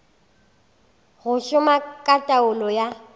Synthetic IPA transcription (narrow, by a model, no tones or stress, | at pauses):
ɣʊʃʊmakʼatʼaʊlɔja